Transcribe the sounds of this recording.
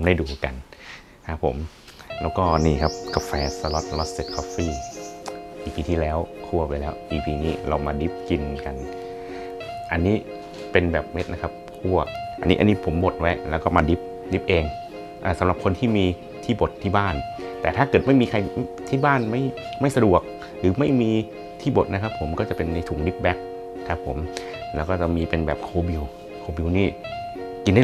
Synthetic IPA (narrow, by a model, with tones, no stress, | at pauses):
mda˥˩jduː˧ka̰˧n | kʰa˦˥pʰːo˩˦m | lɛː˦˥wkɔː˥˩niː˧˩kʰa˦˥p̚ka˧˩fɛː˦˧˥sːa˧lɔ˦˥t̪̚lɔ˦˥t̪̚se˦˥t̪̚kʰɔː˦˥fiː˥˩ | ʔiː˨˩pʰiː˧t̪ʰiː˥˩lɛː˦˥wkʰu˧˩ɐpa˧jlɛː˦˥wʔiː˨˩pʰiː˧niː˦˥ɾa˧wmaː˧di˦˥p̚ki˧nka˧n | ʔa˧nːiː˦˥ | pe˧nbɛː˨˩p̚me˦˥t̪̚na˦˥kʰa˦˥p̚kʰu˧˥˩ɐʔa˧nːiː˦˥ʔa̰˧nːiː˦˥pʰo˩˦mbo˨˩t̪̚wa˦˥jlɛː˦˥wkɔː˥˩maː˧di˦˥p̚ | di˦˥p̚ʔeː˧ŋ | ʔaː˧˩sa˨˩˦mɾa˨˩p̚kʰo˧nt̪ʰiː˥˩miː˧ | t̪ʰiː˥˩bo˨˩t̪ʰːiː˥˩baː˥˩nt̪ɛː˨˩t̪ʰaː˥˩kɤː˨˩t̪ma˥˩jmiː˧kʰa˧jt̪ʰiː˥˩baː˥˩nma˥˩jma˥˩jsa˧du˨˩ək̚ | ɾɯː˩˦ma˥˩jmiː˧ | t̪ʰiː˥˩bo˨˩t̪̚na˦˥kʰa˦˥pʰːo˩˦mkɔː˥˩t͡ɕa˨˩pe˧nːa˧jt̪ʰːŋdi˦˥p̚bɛ˦˥k̚ | kʰa˦˥pʰːo˩˦m | lɛː˦˥wkɔː˥˩t͡ɕa˨˩miː˧pe˧nbɛː˨˩p̚kʰoː˧bi˧w | kʰoː˧bi˧wniː˥˩ | ki˧nda˥˩